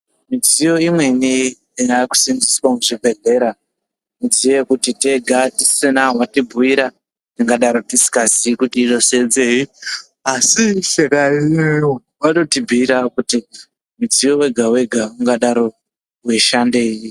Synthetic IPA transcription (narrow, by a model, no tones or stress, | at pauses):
mid͡zijo̞imwe̞ni | jaku̥sinziswamuʐibʱe̞ɮe̞ɾa | nid͡zije̞kutite̞ɡʱatisenaɦwatibʱuiɾa | tiŋɡaɗaɾotisi̥kazikutiːɗo̞se̞d͡ze̞i | asiʃeka | waɗo̞tibʱiɾakuti | mid͡zijo̞we̞ɡʱawe̞ɡʱauŋɡaɗaɾo̞ | weʃande̞ji